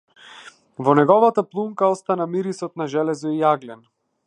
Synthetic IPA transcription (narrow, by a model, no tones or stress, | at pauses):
vɔnɛɡɔvat̪aplˠumkaɔst̪anamiɾisɔt̪naʒɛlɛzɔiaɡlɛn